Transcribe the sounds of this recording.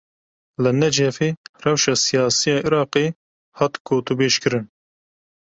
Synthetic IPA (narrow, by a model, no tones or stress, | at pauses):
lɨnɛd͡ʒɛfeːrɛwʃɑːsijɑːsijɑːʔiɾɑːqeː | hɑːt̪kʰoːt̪ubeːʃkɨɾɨn